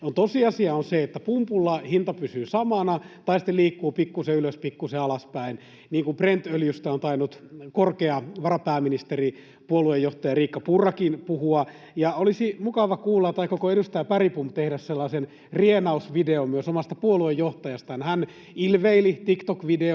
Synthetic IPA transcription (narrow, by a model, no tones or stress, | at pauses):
ont̪osiɑsiɑonseet̪ːæpumpulːɑhint̪ɑpysyːsɑmɑnɑt̪ɑisi̥t̪ːeliːkːuːpikːuseyløspikːuseɑlɑspæin | niːŋkumprent̪øljyst̪æont̪ɑinːut̪korkeɑʋɑrɑpæːminist̪eri | puoluejːoht̪ɑjɑriːkːɑpurːɑkinpuhuɑ | jɑolisimukɑʋɑkuːlːɑt̪ːɑikːokoenust̪æːpæripumpt̪ehdæsselːɑːsen | rienɑusʋideomyøsomɑst̪ɑpuoluejjoht̪ɑjɑst̪ɑɑnhæn | ilʋeilit̪ikt̪okʋide